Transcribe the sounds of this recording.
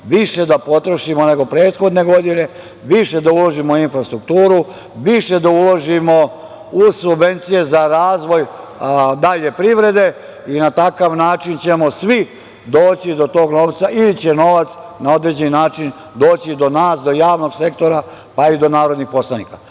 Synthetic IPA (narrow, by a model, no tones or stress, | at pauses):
ʋiʃe̞d̪apo̞t̪ɾoʃimo̞ne̞ɡo̞pɾeːt̪xo̞d̪ne̞ɡo̞d̪ine̞ | ʋiʃe̞d̪aulo̞ʒimoinfɾast̪ɾuk̚t̪uːɾu | ʋiʃe̞d̪auloʒimo̞ | uzsubʋe̞nt̪sije̞zaɾaːzʋo̞j | d̪aʎe̞pɾiʋɾe̞d̪e̞ | inat̪akaʋnaːt͡ʃint͡ɕe̞mo̞sʋi | d̪o̞ːt͡ɕid̪o̞t̪o̞ːɡno̞ʋt̪saʔilit͡ɕe̞no̞ʋat̪snao̞d̪ɾed͡ʑeninaːt͡ʃin | d̪o̞ːt͡ɕid̪o̞naːsd̪o̞jaːʋno̞ɡse̞k̚t̪o̞ɾa | paid̪o̞naːɾo̞d̪nixpo̞slˠanika